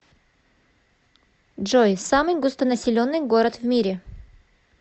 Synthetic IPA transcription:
dʐo̞jsamɨjɡust̪ənɐsʲɪlʲo̞nːɨjɡo̞ɾət̪vʲmʲiɾʲɪ

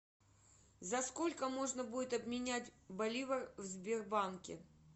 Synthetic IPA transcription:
zɐsko̞lʲkəmo̞ʐnəbudʲɪt̪ɐbmʲɪnʲætʲbɐlʲivərvzbʲɪrbankʲɪ̰

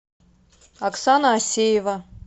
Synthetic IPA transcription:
aksanɐːsʲejeva

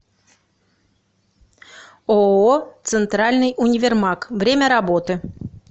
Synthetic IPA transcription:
oot̪sɨnt̪ɾalʲnɨjʔunʲɪvʲermɑkvɾʲemʲəɾabot̪ɨ

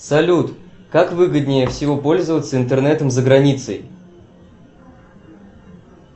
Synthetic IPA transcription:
sɐlʲut̪kakvɨɡəd̪̚ʲnʲɪjəfsʲɪvo̞po̞lʲzəvət̪səɪnt̪ərnɛt̪əmzəɡɾɐnʲit̪səj

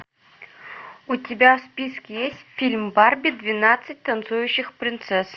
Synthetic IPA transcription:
utʲɪbʲafspʲiskʲɪjesʲtʲfʲilʲmbarbʲɪd̪vʲɪnat̪sɨt̚ʲt̪ɐnt̪sujʉɕːɪxpɾʲɪnt̪sɛs

